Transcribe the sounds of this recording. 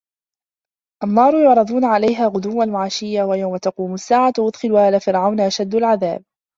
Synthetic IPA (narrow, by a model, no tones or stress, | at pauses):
ʔanːɑːɾˤʊjʊʕɾˤɑd̪ˤuːnaʕalajɦaːɣʊd̪ʊwːanmʊʕaːʃɪjːawajawmat̪ɑquːmʊsːaːʕaʔʊd̪xɪlhaːlaːfɪɾʕawnaʔaʃad̪ːʊlʕaða̰ːb̚